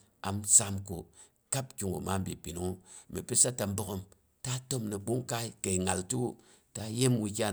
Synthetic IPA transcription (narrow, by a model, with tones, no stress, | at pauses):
a̰˨msa˦mko˨ | ka˦pkʲu˨ŋɡṵ˨ma˦m˦bi˨pi˨nu˨˦u˦mi˨pi˦sa˦ta˨m˦bo˦ko˦m | ta˦to˦mnə˨ɓu˦ŋka˦i˦ke˨i˨ŋa˨ltu˦ | ta˦je˦mwu˦˧kʲa˦